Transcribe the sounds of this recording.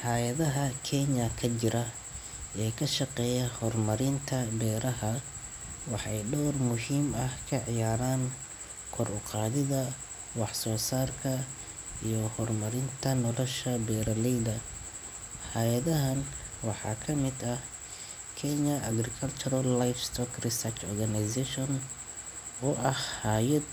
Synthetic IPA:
ħɑːjɐðɐɦɐkʰɛnɐkʰɐt͡ʃɪɾɐ | ʔɛːkʰɐʃɑqɛːjɐhɔrmɐɾɪnt̪ʰɐbɛːɾɐɦɐ | wɑħɑjɖɔwrmʊɦiːmɐhkʰɐʕɪjaːɾaːn | kʰɔrʊqɑːðɪðɐ | wɑħsɔːsaːrkʰɐ | ijɔhɔrmɐɾɪnt̪ʰɐnɔlɔʃɐbɛːɾɐlɛjd̪ɐ | hajɐðɐɦɐn | wɑħɑ̰ːkʰɐmɪd̪ɐh | kʰɛɲɐʔɐɡɾɪkʰɐlt͡ʃʰʊɾɐlːajfst̪ʰɔkrɪsɐrt͡ʃɔ̰rɡɐnɪsɛʃɔn | ɔːʔɐhhaːjɐd̪

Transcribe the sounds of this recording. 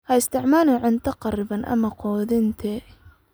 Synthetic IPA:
hɐɪst̪ʰɪʕmaːlɛʕɪnt̪ʰɐqɑrɪβɐnʔɐ̰mɐqʰɔːðɪnt̪ʰɛ

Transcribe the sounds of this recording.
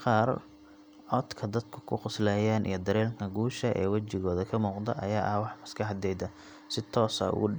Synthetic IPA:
qɑːr | ʕɔd̪kʰɐd̪ɐd̪kʰʊ̥kʰʊqʊslɛːjaːnʔḭjɞd̪ɐɾɛːlkʰɐɡuːʃɐʔɛ̰ːwɐt͡ʃɪɣɔːðɐkʰɐmuːqd̪ɐ̰ʔɐjaːʔɐhwɑħmɐskʰɐħd̪ɛjd̪ɐ | sɪt̪ʰɔːsɐ̰ʊ̰ɣʊ

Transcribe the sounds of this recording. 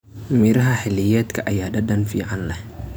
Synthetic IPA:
miɾɦaħilijɛt̪kaʔajadadanfiʕanla

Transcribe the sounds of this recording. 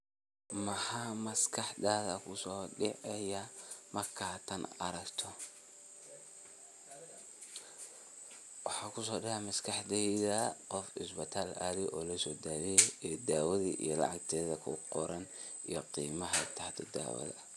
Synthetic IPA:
mɐħɑmɐskʰɑħd̪aːðɐkʰʊsɔːɖɪʕɛjɐmɐrkʰaːt̪ʰɐnɐ̰ɾɐkt̪ʰɔ | wɑħɑːkʰʊsɔːɖɛʕɛmɐskʰɑħd̪ɛðɐqɔfɪsbɐt̪ʰaːla̰ːlɪʔɔːlɐsɔːd̪aːwɛɛd̪aːwɐðiʔḭjɔlɑ̰ʕɑkt̪ʰɛːðɐkʰʊ̰qɔɾɐn | ijɔqiːmɐɦɐt̪ʰɐħt̪ʰɛd̪a̰ːwɐ̰ðɐ̰

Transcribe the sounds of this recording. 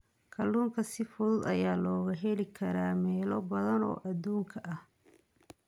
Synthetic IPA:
kʰɐlːuːŋkʰɐsɪfʊðʊd̪ɐ̰jaːlɔːɣɐɦɛlɪkʰɐɾaːmɛːlɔbɐðɐnɔ̰ːʔɐd̪uːŋkʰɐʔɐh

